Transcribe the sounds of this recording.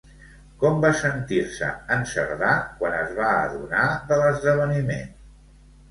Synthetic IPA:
kɔmbasənt̪iɾsə̰ənsə̰ɾðakwanəzβaə̰ðunaðələzðəβ̞ənimḛn

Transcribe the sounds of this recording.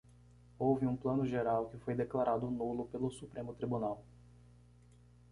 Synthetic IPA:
owvɪũplɐ̃nʊʒeɾawkɪfojd̪eklaɾʔad̪ʊnulʊpelʊsupɾẽmʊt̪ɾibunaw

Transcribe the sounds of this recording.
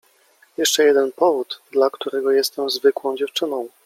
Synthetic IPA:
jɛʂt͡ʂɛjɛd̪ɛnpɔvud̪d̪lakt̪uɾɛɡɔjɛst̪ɛmzvɘkwɔ̃w̃d͡ʑɛft͡ʂɘnɔ̃w̃

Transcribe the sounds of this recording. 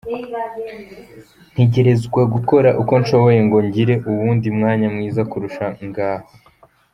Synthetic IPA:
n̥heɟe̞ɾe̞zɡwaɡuko̞ɾaʔuko̞nʃo̞βo̞je̞ŋɡo̞ɲɟiɾe̞ʔuβuːndimŋaːɲamŋiːzakuɾuʃaŋɡaːho

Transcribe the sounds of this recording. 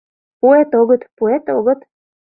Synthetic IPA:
puet̪oɣɤ̆t̪puet̪oɣɤ̆t̪

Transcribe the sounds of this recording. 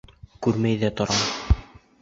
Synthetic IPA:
kʉɾmæjðæt̪ŏɾɑm

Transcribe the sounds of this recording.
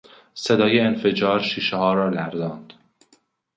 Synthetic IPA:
sed̪ɒːjeːnfe̞d͡ʒɒːɾʃiːʃehɒːɾɒːlæɾzɒːnd̪̥

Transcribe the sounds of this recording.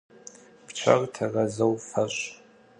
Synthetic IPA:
pt͡ʃʷʰa̰rtʰarazɐwfaɕʷʼ

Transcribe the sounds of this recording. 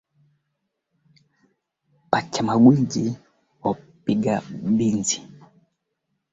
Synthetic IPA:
pat͡ʃamaɡwid͡ʒi | ɔpiɡaɓinzi̥

